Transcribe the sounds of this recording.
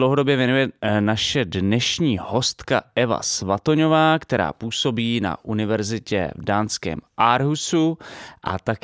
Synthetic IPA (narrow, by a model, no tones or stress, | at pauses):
lowɦodo̞bjɛvjɛnujɛnaʃɛdnɛʃɲiːho̞st̪kaɛva̰svat̪o̞ɲo̞vaːkt̪ɛɾa̰ːpuːso̞biːna̰ʔunɪvɛɾzɪcɛ̰vdaːnskɛ̰ːmʔaɾɦusuʔa̰t̪ak